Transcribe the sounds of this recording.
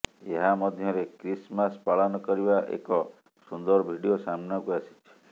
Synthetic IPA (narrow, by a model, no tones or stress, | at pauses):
eɦamɔd̪ʱjɔɾekɾismaspalɔnɔkɔɾibaʔḛkɔ | sund̪ɔɾɔbʱiɽijosamnakuasi̥t͡ʃʰi̥